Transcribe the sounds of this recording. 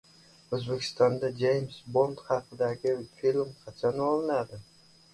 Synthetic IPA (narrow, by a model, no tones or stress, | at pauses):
ɵzbekʲʰɪ̥st̪ɒnd̪ad͡ʒejmsbo̞nt̪χɑqɨd̪aɡʲɪfilˠmqʰɑt͡ʃʰanɒlˠɪnad̪ɪ